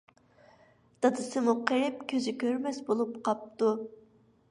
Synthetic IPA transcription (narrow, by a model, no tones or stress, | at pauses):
d̪̥ɑd̪ɨsɨmuqʰəɾɪp̚kʲʰøzɪkʲʰøɾmɛsbolˠupqʰɑp̚t̪u